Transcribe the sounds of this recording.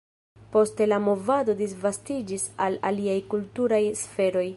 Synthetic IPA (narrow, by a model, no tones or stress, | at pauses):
po̞ste̞lamo̞vado̞disvastid͡ʒisala̰liajkultuɾajsfe̞ɾo̞j